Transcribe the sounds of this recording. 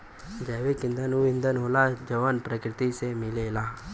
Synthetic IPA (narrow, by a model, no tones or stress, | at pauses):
d͡ʒɛːʋekɪ̃nd̪ʱənuɪ̃nd̪ʱənɦoːlad͡ʒəʋənpɾəkɾɪt̪isemɪleːlaː